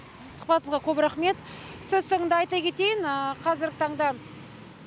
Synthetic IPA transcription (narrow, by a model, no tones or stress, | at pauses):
sʊ̥χ̚pɑt̪əəzʁɑkʲʰɵbɪɾaχme̞t̪ | sɵzsoŋənd̪eɑjt̪ɑkʲe̞t̪e̞jɪnəqʰɑzɪɾɡʲɪt̪ʰɑɴd̪ɑ